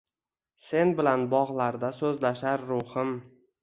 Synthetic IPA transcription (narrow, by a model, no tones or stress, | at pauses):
se̞nbɪlanbɒʁlˠaɾd̪asɵzlaʃaɾːʊhɪm